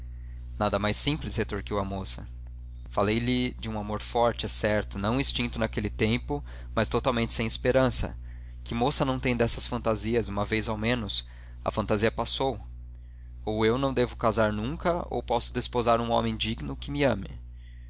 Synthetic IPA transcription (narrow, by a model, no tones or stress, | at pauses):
nad̪ɐmajsĩmplɪshet̪oɾkiwɐmosɐ | falejlɪd͡ʒɪũamoɾfɔɾt͡ʃɪɛsɛɾt̪ʊnɐ̃w̃ist͡ʃĩnt̪ʊnakelɪt̪ẽmpʊ | mɐst̪ot̪awmẽnt͡ʃɪ̥sẽj̃ɪspeɾɐ̃sɐ̰ | kɪmosɐnɐ̃w̃t̪ẽj̃d̪ɛsɐsfɐ̃nt̪aziɐzũmɐvejzawmẽnʊs | ɐ̰fɐ̃nt̪aziɐpasow | owewnɐ̃w̃d̪evʊkazaɾnũŋkɐo̰wpɔsʊd̪espozaɾũɔ̰̃mẽj̃d͡ʒiɡnʊkɪmɪɐ̃mɪ̰